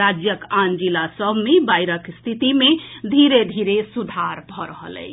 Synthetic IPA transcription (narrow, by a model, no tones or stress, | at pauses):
ad͡ʒjəkand͡ʒilasəbʱmebajɾəkst̪ʰit̪imed̪ʱiɾed̪ʱiɾesud̪ʱaɾbʱɔɾəɦə̰lɛ̰ɪ